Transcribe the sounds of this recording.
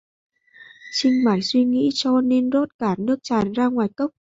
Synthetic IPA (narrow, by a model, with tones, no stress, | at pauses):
t͡ɕï˧ŋ̟maː˨˩jswi˧ŋḭ˧˥t͡ɕɔ˧ne˧nzo˦˥t̚kaː˧˩nɨ˦˥ək̚t͡ɕaː˨˩nzaː˧ŋwaː˨˩jkə˦˥wk͡p̚